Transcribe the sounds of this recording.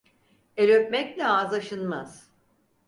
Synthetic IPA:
elʲøp̚mɛclʲɛaːzaʃɯnmaz̥

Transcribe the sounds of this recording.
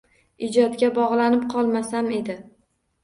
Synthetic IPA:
ɪd͡ʒɒt̪ɡʲabɒʁlˠanɪp̚qʰɒlˠmasame̞d̪ɪ

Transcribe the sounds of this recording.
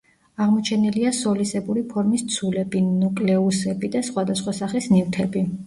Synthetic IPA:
aʁmɔt͡ʃʰɛniliasɔlisɛbuɾipʰɔɾmist̪sʰulɛbinukʼlɛusɛbid̪asχwad̪asχwasaχisnift̪ʰɛbi

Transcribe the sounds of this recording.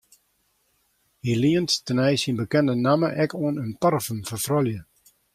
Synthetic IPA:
hiliənttənɛjsinbəkɛndənaməʔɛkuənəntɔrfənfərfrɔljə

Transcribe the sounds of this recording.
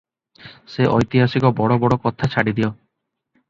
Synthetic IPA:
seʔɔjt̪iɦasikɔbɔɽɔbɔɽɔkɔt̪ʰat͡ʃʰaɽid̪iɔ

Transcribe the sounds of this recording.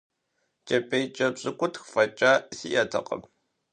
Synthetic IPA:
t͡ʃʼɐpʼejt͡ʃʼɐbɕʼɨkʷʼʊtxfɐt͡ʃʼaːsiʔɐtʰɐ̰qə̰m

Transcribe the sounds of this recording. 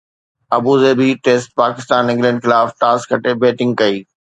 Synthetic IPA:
ɐbuzeːbiʈeːsʈ̚paːkɪst̪aːnɪ̃ŋɡlɛ̃ːɳɖxɪlaːfʈaːskɐʈebeːʈɪ̃ŋɡ̚kɐiː

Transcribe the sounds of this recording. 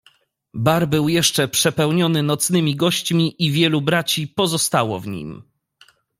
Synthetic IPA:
baɾbɘwjɛʂt͡ʂɛpʂɛpɛwɲɔnɘnɔt̪snɘmʲiɡɔɕt͡ɕmʲiʔivʲjɛlubɾat͡ɕipɔzɔst̪awɔ̰vɲḭm

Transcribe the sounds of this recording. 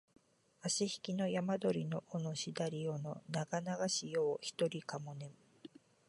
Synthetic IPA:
aɕiçi̥kʲino̞jamad̪o̞ɾʲino̞ʔono̞ɕid̪aɾʲio̞no̞naɡanaɡaɕijo̞ːçi̥t̪o̞ɾʲikamo̞ne̞m

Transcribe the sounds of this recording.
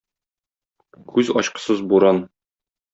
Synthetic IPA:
kʰʉzɒɕqɤ̥̆sɤzbuɾɑn

